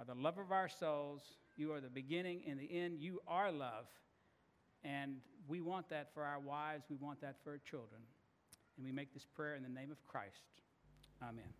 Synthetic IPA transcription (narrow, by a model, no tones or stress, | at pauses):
ə˞ðəlʌvʌvaʊə˞soʊlˠz̥ | jɨə˞ðɨbɨɡɪ̃ñɪ̃ŋʔɨ̃nðiʔɛ̃ndjɨʔə˞lʌv̥ | ɨ̃nwiwɑ̃nðɨtfə˞aʊə˞waɪvzwiwɑ̃nðɨtfə˞t͡ʃʰɪlˠdɹɨ̃n | ɨ̃nwimeɪk̚ðɪspʰɹ̥ɛɹɨ̃nðɨnẽɪ̃mʌv̥kʰɹ̥a̰ɪst | amɛ̰̃n